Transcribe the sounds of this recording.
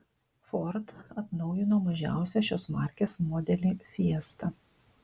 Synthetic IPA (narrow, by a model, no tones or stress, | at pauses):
fɔɾt̪ɐt̪nɒʊjɪnoːmɐʒʲæ̰ˑʊsʲɛʃʲoːsmɑˑɾʲkʲeːsmɔd̪ʲɛlʲiːfʲiɛst̪ɐ